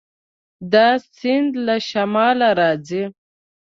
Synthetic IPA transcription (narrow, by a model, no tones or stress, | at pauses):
d̪asind̪laʃamɑːlaɾɑːd͡zi